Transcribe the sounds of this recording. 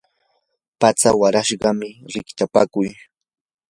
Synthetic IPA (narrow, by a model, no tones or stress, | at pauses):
pat͡sawaɾaʃɢɑmɪɾɪkt͡ʃapakʊj